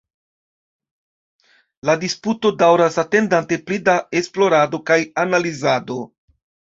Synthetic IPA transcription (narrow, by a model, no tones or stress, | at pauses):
ladisputo̞dawɾasate̞ndante̞plidae̞splo̞ɾado̞kajanalizado̞